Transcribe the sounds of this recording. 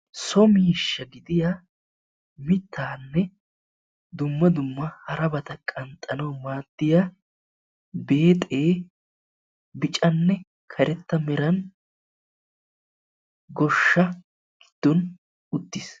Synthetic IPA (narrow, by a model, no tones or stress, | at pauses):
sɔmɪɪʃːɐɡɪd̪ɪja | mɪt̪ʰːaːnːɛ | d̪ʊmːɐd̪ʊmːɐhɐɾɐbɐt̪ɐkʼɐnt̪ʼːɐnɐwmaːd̪ːɪja | be̞ːt̪ʼe̞ː | bɪt͡ʃʼɐnːɛ | kʰɐɾɛt̪ːɐmɛɾɐn | ɡɔʃːɐ | ɡ̥ɪ̥d̪̥ːɔn | ʊt̪ːɪs